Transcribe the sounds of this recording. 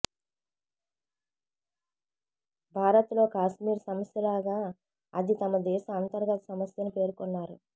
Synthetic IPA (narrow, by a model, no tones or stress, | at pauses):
bʱaːɾɐt̪lo̞ːkaːʃmiːɾsɐmɐsjɐlaːɡaː | ɐd̪it̪ɐmɐd̪ɛːsɐɐnt̪ɐɾɡɐt̪ɐ̥sɐmɐsjɐnipe̞ːɾukunːaːɾu